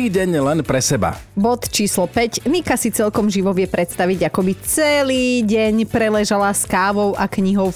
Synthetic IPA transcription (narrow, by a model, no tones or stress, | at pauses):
iːɟɛɲlɛnpɾɛsɛba̰bɔt̪t͡ʃiːslɔpɛcnikasit͡sɛlkɔmʒiʋɔʋɪɛpɾɛt̪st̪aʋiɟakɔbit͡sɛliːɟɛɲpɾɛlɛʒalaskaːʋɔʊʔakɲiɦɔʊ